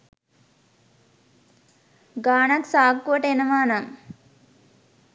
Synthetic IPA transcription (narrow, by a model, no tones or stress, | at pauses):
ɡaːnaksaːkːuʋəʈəenəʋaːnaŋ